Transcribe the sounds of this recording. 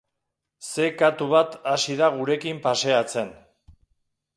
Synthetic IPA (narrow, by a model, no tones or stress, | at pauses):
se̞kat̪uβat̪asiðaɣ̞uɾe̞kimpase̞at͡se̞n